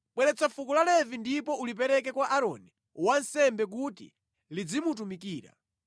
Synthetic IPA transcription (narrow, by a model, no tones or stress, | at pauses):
ɓwɛɾɛt͡safukulalɛvindipɔulip̬ɛɾɛk̬ɛkwaʔaɾɔ̰ni | wansɛmbɛk̬utḭ | lid͡zimut̬umikiːɾa̰